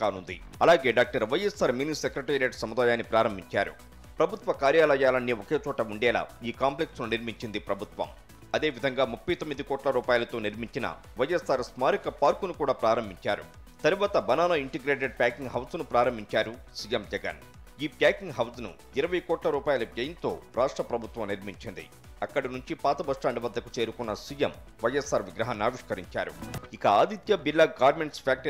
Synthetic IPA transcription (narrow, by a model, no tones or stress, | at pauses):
kaːnund̪ḭ | ɐlaːɡe̞ːɖaːk̚ʈɐɾʋɐjesaːɾmiːnisekɾɐʈeːɾijɐʈsɐmud̪aːjaːnːipɾaːɾɐmbʱiɲt͡ʃa̰ːɾṵ | pɾɐbʱut̪ʋɐkaːɾjaːlɐjaːlɐnːioke̞ːt͡ʃɔːʈɐuɳɖɛːla̰ːiːkaːmpleksnuniɾmiɲt͡ʃind̪ipɾɐbʱut̪ʋɐ̰m | ɐd̪eːʋid̪ʱɐŋɡaːmupːɐjt̪omːid̪ikɔːʈlɐɾuːpaːjlɐt̪oːniɾmiɲt͡ʃinɐ̰ | ʋɐjːesaːɾsmaːɾikɐpaːɾkunukuːɽaːpɾaːɾɐmbʱiɲt͡ʃa̰ːɾṵ | t̪ɐɾuʋaːt̪ɐbɐnaːnɐiɳʈiɡɾeːʈ̬eɖ̚pjaːkiŋɡɦɐwsnupɾaːɾɐmbʱiɲt͡ʃaːɾusiːjemd͡ʒɛɡɐ̰n | iːpjaːkiŋɡɦɐwsnṵ | iɾɐʋɐjkɔːʈlɐɾuːpaːjɐlɐbjɐjɐnt̪o̞̰ːɾʔaːʂʈɾɐpɾɐbʱut̪ʋɐmniɾmiɲt͡ʃind̪ḭ | ɐkːɐɽinuɲt͡ʃipaːt̪ɐbɐʂʈaːɳɖiʋɐd̪ːɐkut͡ʃe̞ːɾukunːɐsiːjɐm | ʋɐjːesːaːɾʋiɡɾɐɦanːaːʋiʂkɐɾḭɲt͡ʃa̰ːɾṵikɐaːd̪it̪jɐbilːaːɡaːɾmeɳʈspʰaːk̚ʈɐ